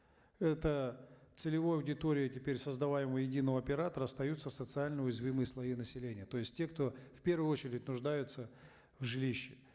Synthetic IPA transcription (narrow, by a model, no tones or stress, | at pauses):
ɛt̪ət̪sɨlʲɪvojəɐʊdʲɪt̪o̞ɾʲɪjətʲɪpʲeɾʲsəzd̪ɐvajɪməjɪdʲinːəvəɐpʲɪɾat̪əɾəɐst̪ɐjut̪sːəsət̪sɨalʲnəʊjɪzvʲimɨjəslˠɐjinəsʲɪlʲenʲɪjət̪o̞jɪsʲt̚ʲtʲːe̞kt̪o̞fpʲe̞rvʊjʊo̞t͡ɕɪɾʲɪtʲnʊʐd̪ajʊt̪sə | vʐɨlʲiɕːɪ